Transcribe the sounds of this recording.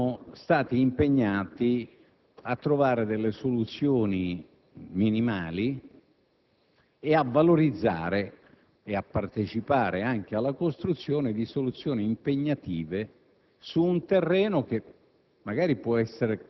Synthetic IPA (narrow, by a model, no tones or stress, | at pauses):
st̪aːt̪iːmpeɲːaːt̪i | at̪ːɾovaːɾed̪elːesolut̪sːjoːni | minimaːli | eavːaloɾid̪zːa̰ːɾe | eapːart̪et͡ʃipaːɾeaŋk̟ealːakost̪ɾut̪sːjoːned̪isolut̪sːjoːniːmpeɲːat̪iːve | suːnt̪erːɛːnok̟e | mːaɡaːɾipwɔɛsːeɾe